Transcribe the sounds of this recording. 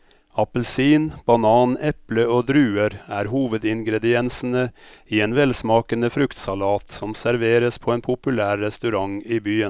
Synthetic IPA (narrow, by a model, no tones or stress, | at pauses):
ɑpəl̩siːnb̥ɑnɑːnɛpləoːd̪ɾʉːəɾæːɾhuːʋəd̪ɪŋɡɾɛd̪ɪɛnsn̩əiːeːnʋɛlsmɑːkənəfɾʉkt̪sɑlɑːt̪sɔmsæɾʋeːɾəspʰoːeːnpʰʊpʉlæːɾːɛst̪ʉɾɑŋiːbyːə